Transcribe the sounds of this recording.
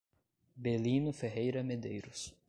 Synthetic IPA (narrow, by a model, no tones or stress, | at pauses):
belĩnʊfeɦejɾɐmed̪ejɾʊs